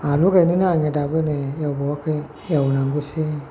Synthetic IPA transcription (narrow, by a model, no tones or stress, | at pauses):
aluɡeninaɲɛdabənejabɔkə | jawnaŋɡusi